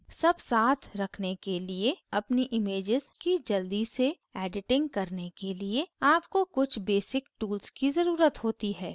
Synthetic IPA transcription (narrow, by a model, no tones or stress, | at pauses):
sɐbsaːt̪ʰɾɐkʰnekelieɐpniʔɪmeːd͡ʒɪzkid͡ʒɐld̪ise | ɛːɖɪʈɪ̃ŋɡkɐɾnekelieaːpkokʊt͡ʃʰbeːsɪkʈuːlzkizɐɾuːɾət̪ɦoːt̪iɦɛː